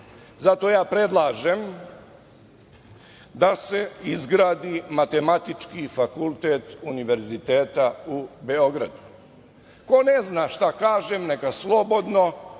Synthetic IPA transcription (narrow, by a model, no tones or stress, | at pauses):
zat̪o̞jaːpɾe̞d̪lˠaːʒem | d̪ase̞izɡɾaːd̪imat̪e̞mat̪it͡ʃkifakulˠt̪eːt̪uniʋe̞ɾzit̪eːt̪aubeo̞ɡɾa̰d̪u | ko̞neznaːʃt̪akaːʒemnekaslˠo̞bo̞d̪no̞